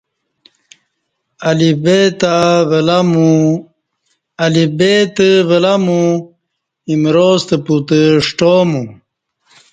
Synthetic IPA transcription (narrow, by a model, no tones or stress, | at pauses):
alibet̪avəlamu | ɐlibet̪əvəlamu | imɾost̪əput̪əʂʈomu